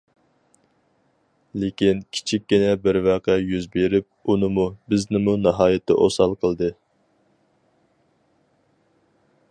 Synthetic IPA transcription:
lekʲinkʲʰi̥t͡ʃʰikʲːɡʲinɛbɪɾvæqʰɛjyzbeɾɪp̚unɨmubɪznɪmunɑɦɑːjɪt̪ʰːɛ̰ʔo̰sɑlˠqʰəlˠd̪ɨ

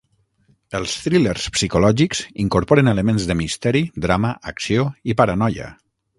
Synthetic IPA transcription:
əlˠst̪ɾileɾspsikulɔʒikz̥iŋkuɾpɔɾənələmenzðəmist̪ɛɾid̪ɾaməʔːksioipaɾənɔjə̰

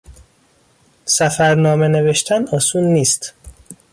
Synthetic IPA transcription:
sæfæɾnɒːmene̞ve̞ʃt̪ʰænɒːsuːnːiːst̪

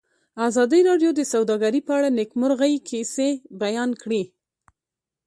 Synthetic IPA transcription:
azɑd̪əɾɑɖjod̪əsawd̪ɑɡaɾipəaɽanɪkmʊɾɣajkʰesebajɑnkɽi

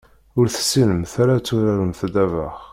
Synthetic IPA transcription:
ʊɾθə̥sːinəmθaɾat͡sːuɾaɾəmθd̪ævə̰χ

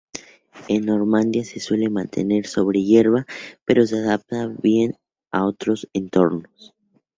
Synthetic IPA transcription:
enːo̞ɾmãnd̪jase̞swe̞le̞mãnt̪ʰe̞̰ne̞ɾso̞βɾe̞ʝe̞ɾβape̞ɾo̞s̬e̞aðap̚t̪aβje̞n | aot̪ɾo̞sent̪o̞ɾnos

